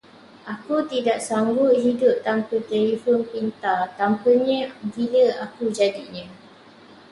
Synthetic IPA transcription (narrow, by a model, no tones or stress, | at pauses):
ʔakut̪idaʔsaŋɡʊt̪̚ɦidʊp̚t̪ampət̪ɛlifɔnpint̪at̪ampəɲə̃biləakud͡ʒadiɲã